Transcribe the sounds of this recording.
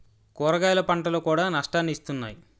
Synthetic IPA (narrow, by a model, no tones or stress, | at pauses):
koːɾɐɡaːjlɐpɐɳʈɐlokuːɽaːnɐʂʈaːnːist̪unːa̰ːji